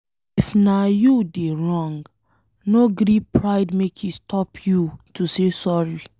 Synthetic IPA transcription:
ifnajudeɹɔ̃ŋɡ | noɡɾipɹaɪdmekʰistʰɔpʰjutusesɔɹi

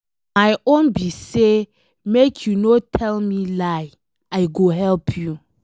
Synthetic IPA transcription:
majõnbise | mekʰjunotʰɛlmilaɪ | aɪɡoɦɛlpʰju

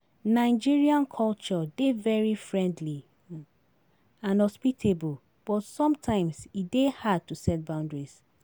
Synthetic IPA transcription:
naɪd͡ʒiɹiãnkʰɔlt͡ʃɔdevɛɹifɹɛ̃ndli | ãnɔspitʰebul | b̥ɔtsɔ̃mtʰãɪ̃msidehad̚tusɛt̚bãʊ̃ndɹis

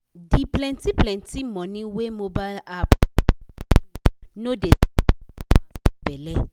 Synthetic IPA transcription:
diplɛ̃ntiplɛ̃ntimɔ̃nĩwemobalap | node | bɛlɛ

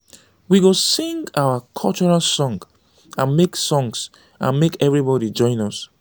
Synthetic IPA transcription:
wiɡosĩŋɡawakʰɔlt͡ʃɔɹalsɔ̃ŋɡ | ãnmeksɔ̃ŋs | ʔã̰nmekɛvɹibɔɾid͡ʒɔ̃ɪ̃nɔs

